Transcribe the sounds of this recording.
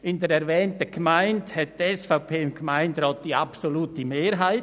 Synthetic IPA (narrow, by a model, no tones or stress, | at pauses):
ɪndəɾɛɾvɛːntəɡ̥maɪnthɛt̚d̥ɛsfaʊpʰeːɪmɡ̥maɪndɾɑːt̚d̥iːapsoluːtəmeːɾɦaɪt